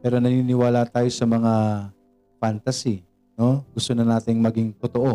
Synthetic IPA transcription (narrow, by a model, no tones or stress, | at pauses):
pɛːɾo̞nɐniːnɪwaːlat̪aːjo̞sɐmɐŋa | fant̪ɐsi | no̞ɡʊst̪onɐnaːt̪ɪŋmɐɡɪŋt̪ʊt̪oʔo